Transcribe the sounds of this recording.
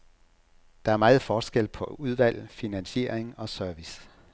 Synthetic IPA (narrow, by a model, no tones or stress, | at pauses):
d̥ɑ̈æɐmɑ̈ːð̩ˠfɒːsɡ̥el̰pʰɒ̽uð̞ˠʋæl̰finænɕe̝̰ːɐ̰eŋɒ̽sœɐʋis